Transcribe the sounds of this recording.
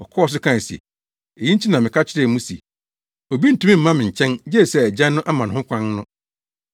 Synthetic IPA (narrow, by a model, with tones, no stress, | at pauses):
ɔ˨kʰɔ˦ɔ˨s̬ʊ˦kʰã˦˨sɛ̰˨ | e˨ji˦ɲ̩˦t͡ɕʰi˦nã˨mɪ̃˨kʰa˦t͡ɕʰɪ˦ɾɛ˦˨mũ˦sḭ˨ | ɔ˨bi˦n̩˨tũ˨˦mĩ˦m̩˨mã˦mɪ̃˨ɲ̩˨t͡ɕʰɛ̃˦nd͡ʑɛ˦˨sɛ˨æ˨d͡ʑã˦nːʊ̃˦ʔa˦mã˨ñ˨ɦʊ̃˦kʰʷã˦nnʊ̃˦